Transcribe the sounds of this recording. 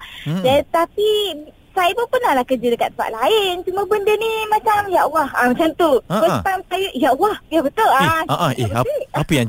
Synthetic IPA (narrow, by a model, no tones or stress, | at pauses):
dat̪api | sajəpəpərnahlahkəd͡ʒədəka̰t̪əpa̰ʔlaɪnt͡ʃuməbəndənimat͡ʃamjaʔwahamat͡ʃamt̪upət̪aŋsajəʔjaʔwahjabət̪ʊlaaʔeaiapəjã